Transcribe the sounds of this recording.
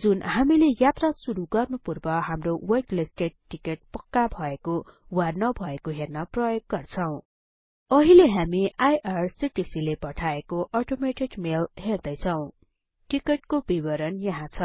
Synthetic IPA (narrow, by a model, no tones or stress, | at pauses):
d͡zunhamilejat̪rasuɾuɡʌrnupurbʌɦamrowʌkliskeʈːikeʈ̚pʌkːabʱʌekowanʌbʱʌekoɦernʌprʌjoɡ̚ːʌrt͡sʰʌw̃ | ʌɦileɦamiʔajʔarsiʈisilepʌʈʰaekoʔʌʈomeʈikmelɦerd̪ʌjt͡sʰʌw̃ | ʈikeʈkobibʌɾʌnjʌɦãt͡sʰʌ